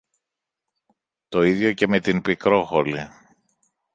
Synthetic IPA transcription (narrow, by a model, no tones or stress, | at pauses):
t̪o̞iðʝo̞ce̞me̞t̪inpikɾo̞xoɾli